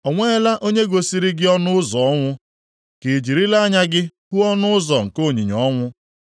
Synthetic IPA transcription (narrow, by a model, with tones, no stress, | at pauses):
ɔ˨ŋʷe˦la˦ʔo˦ɲe˦ɡo˨si˨ɾi˦ɡɪ˦ɔ˦nʊ˦ʊ˦zɔ˨ɔ˦ŋʷʊ˦ | ke˨d͡ʒi˨ɾi˦la˦ɲa˦ɡɪ˦hu˦ɔ˦nʊ˦ʊ˦zɔ˨ŋ̩˨ko˦˨ɲi˨ɲɔ˨˦ŋʷʊ˦